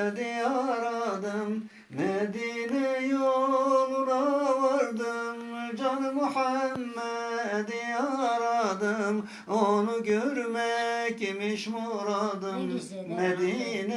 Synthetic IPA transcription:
d̪ijɑɾɑd̪ɯmː | ɛd̪inɛjolˠuɾɑvɑɾd̪ɯmd͡ʒɑnɨmuħæmːɛd̪ijɑɾɑd̪ɯm | onuɟøɾmɛcimiʃmoɾɑd̪ɯmː | ɛd̪inɛ

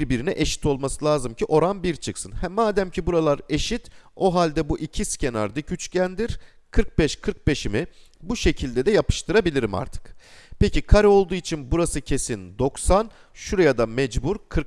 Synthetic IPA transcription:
ɾbiɾinɛʔeʃi̥t̪ʰo̞lˠmasɯlʲˠaːzɯmcʰiʔo̞ɾanbiɾt͡ʃʰɯksɯnhɛmːaːd̪æmcʰibuɾalˠaɾe̞ʃit̪o̞ɦalʲd̪ɛbuʔicʰiscʰe̞na̰ɾd̪ɯɟyt͡ʃcʰænd̪iɾ̥ | kʰɯɾk̚bɛʃkʰɯɾk̚be̞ʃimi | buʃe̞cʰilʲd̪ɛd̪ɛjapʰɯ̥ʃt̪ʰɯɾabilʲiɾima̰ɾt̪ʰɯ̥k | pʰecʰikʰaɾo̞lˠd̪uːit͡ʃʰinbuɾasɯcʰe̞sind̪o̞ksan | ʃuɾajad̪amɛd͡ʒbuɾkʰɯɾk

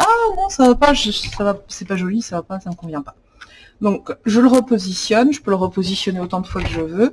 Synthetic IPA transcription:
anɔ̃savapaʒəsavasɛpaʒɔlisavapasaməkɔ̃vjɛ̃pḁ | d̪ɔ̃kʒələʁəpozisjɔnʒəpøləʁəpozisjɔneot̪ɑ̃d̪əfwakəʒəvø

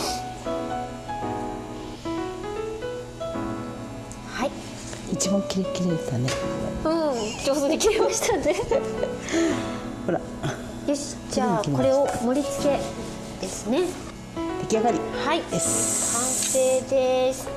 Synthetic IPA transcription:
hai | it͡ɕibãŋkʲiɾekʲiɾet̪aneɯ̟̃d͡ʑoːsod̪ekʲiɾemaɕi̥t̪ane | hoɾa | eɕ | d͡ʑakiko̞ɾe̞o̞mo̞ɾʲit͡sɨ̥ke̞ | d̪̥e̞sɨne̞ | d̪̥e̞kʲiaɡaɾʲihaid̪esɨ̥kʰãɰseːd̪es

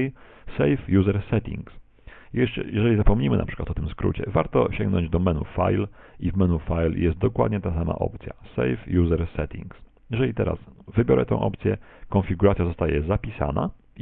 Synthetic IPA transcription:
sɛjfjuzɛɾsɛt̪ʲḭŋks | jɛjɛʐɛizapɔmɲimɘnapʂɘ̥kwat̪ɔt̪ɘmskɾṵt͡ɕɛ̰vaɾt̪ɔɕɛ̃ŋɡnɔ̰̃ɲd͡ʑd̪ɔmɛnufa̰jl | ivmɛnufajljɛst̪̚d̪ɔkwa̰d̪̚ɲɛt̪asama̰ʔɔ̰p̚t̪sʲja̰sɛjfjuzɛɾsɛt̪ʲḭŋks | jɛʐɛlʲit̪ɛɾa̰svɘbʲjɔɾɛt̪ɛ̃w̃ʔɔ̰pt̪sʲjɛ | kɔnfʲiɡuɾat̪sʲjazɔst̪ajɛzapʲisa̰na̰

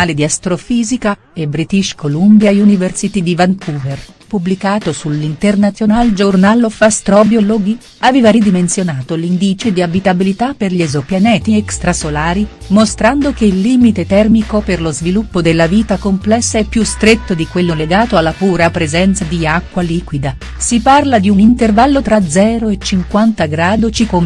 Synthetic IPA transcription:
aled̪iast̪ɾofiːzika | ebɾit̪iʃkolumbjajuniversit̪id̪ivaŋkʰuːver | publikaːt̪osulːint̪ernat̪sjonald͡ʒornalofast̪ɾɔːbjoloɡi | avɛːvaɾid̪imensjonaːt̪olind̪it͡ʃed̪iabit̪abilit̪apːerʎiɛzopjanɛːt̪iɛkst̪ɾasolaːɾimost̪ɾand̪ok̟elːiːmit̪et̪ɛrmikoperlozvilupːod̪elːaviːt̪akomplɛsːaɛpːjust̪ɾet̪ːod̪ikwelːoleɡaːt̪oalːapuːɾapɾezɛnt̪sad̪iakːwaliːkwid̪a | siparlad̪iunint̪ervalːot̪ɾad̪zːɛːɾoet͡ʃːiŋkwant̪aɡɾaːd̪ot͡ʃikom

